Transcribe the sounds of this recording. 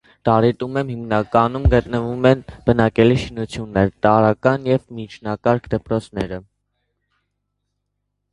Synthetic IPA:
t̪ɑɾɛt̪umɛmhimnɑkɑnumɡət̪nəvumɛnb̥ənɑkɛliʃinut͡sʰjunːɛɾt̪ɑɾɑkɑnjɛvmit͡ʃʰnɑkɑɾkʰd̪əpɾɔt͡sʰnɛɾə

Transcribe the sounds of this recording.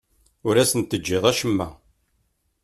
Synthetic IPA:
ʊɾæsənt̪ːəd͡ʒːɪðˤæʃəmːæ̰

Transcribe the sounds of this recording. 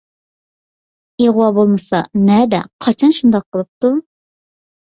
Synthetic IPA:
eʁwɑbolˠmɨsɑ̰nɛd̪ɛ̰qʰɑt͡ʃʰɑnʃund̪ɑq̚ʰːəlˠɨp̚t̪u

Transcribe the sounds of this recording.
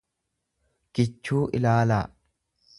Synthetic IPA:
ɡ̥ɪt͡ʃːuːʔɪ̰laːla̰ː

